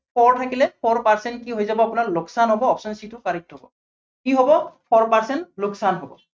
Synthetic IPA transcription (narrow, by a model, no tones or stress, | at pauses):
pʰɔɹtʰakilɛpʰɔɹpaɹsɛntkiɦojzabɔapunaɹloksanɦɔbɔɔpsɔnsitʊkaɹik̚tʰɔbɔ̰ | kiɦɔbɔpʰɔɹpaɹsɛntloksanɦɔbɔ̰